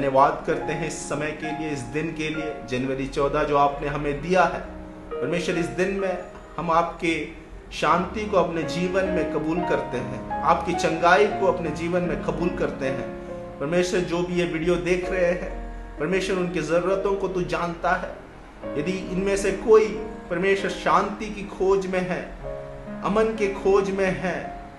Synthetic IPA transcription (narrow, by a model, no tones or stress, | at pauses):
njəʋaːd̪kɐɾt̪eɦɛ̃ɪsːɐməjkelieɪsd̪ɪnkelied͡ʒɐnʋəɾit͡ʃɔːd̪ad͡ʒoːaːpneɦɐmẽd̪ijaɦɛ̰ː | pɐɾmeːʃəɾɪsd̪ɪnmẽ | hɐmaːp̚ke | ʃãːnt̪ikoɐpned͡ʒiːʋənmẽkɐbuːlkɐɾt̪eɦɛ̃ːaːpkit͡ʃɐ̃ŋɡaːikoɐpned͡ʒiːʋənmẽkɐbuːlkɐɾt̪eɦɛ̰̃ː | pɐɾmeːʃəɾd͡ʒoːbʱijeʋɪɖijod̪eːkʰɾɐɦeɦɛ̰̃ː | pɐɾmeːʃəɾʊnkezɐɾuːɾət̪õkot̪od͡ʒaːnt̪aɦɛː | jɐd̪iɪnmẽsekoːipɐɾmeːʃəɾʃãːnt̪ikikʰoːd͡ʒmẽɦɛ̃ː | ɐmənkekʰoːd͡ʒmẽɦɛ̃ː